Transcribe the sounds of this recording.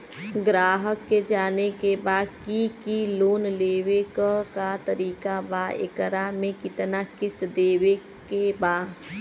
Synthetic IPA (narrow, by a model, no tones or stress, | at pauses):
ɡɾaːɦəkːed͡ʒaːnekebaːd̪kikiloːnleːʋekkat̪əɾiːkabaḛkəɾamẽkɪt̪nakɪst̪d̪eːʋe | kebaː